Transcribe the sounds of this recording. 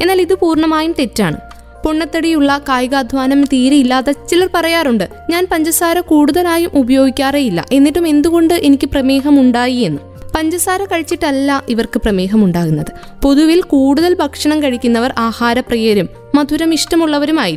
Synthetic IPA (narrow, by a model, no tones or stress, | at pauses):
e̞nːaːliðɨpuːrɳɐmaːjumt̪e̞tːaːɳɨ | poɳːɐt̪ːɐɽijuɭːɐkaːjɣaːd̪ʱʋaːnɐmt̪iːɾeilːaːðɐt͡ɕilɐrpɐrɐjaːruɳɖɨ | ɲaːnpɐɲd͡ʑɐsaːɾɐkuːɽuðɐlaːjumʔubɐjo̞ːɡikʲːaːrejilːɐ̰ʔe̞nːiʈːume̞nd̪uɣo̞ɳɖɨʔe̞nikʲːɨprɐme̞ːɦɐmuɳɖaːjie̞nːu | pɐɲd͡ʑɐsaːɾɐkɐɻit͡ɕːiʈːɐlːɐʔiʋɐrkɨprɐmeːɦɐmuɳɖaːɣunːɐðɨ | po̞ðuʋilkuːɽuðɐlbʱɐkʂɐɳɐmkɐɻikʲːunːɐʋɐrʔaːhaːɾɐprɐjeɾumːɐd̪ʱuɾɐmiʂʈɐmuɭːɐʋɐɾumaːji